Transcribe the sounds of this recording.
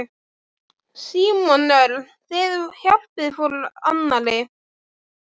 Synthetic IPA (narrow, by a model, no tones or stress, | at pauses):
siːmɔnœl | θɪðhjal̥pɪðfula̰nːalɪ